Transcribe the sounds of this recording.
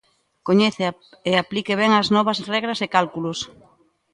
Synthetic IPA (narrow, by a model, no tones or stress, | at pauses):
koɲeθe | eaplikeβɛŋaznɔβ̞ɐzrɛɣɾɐsekalkulos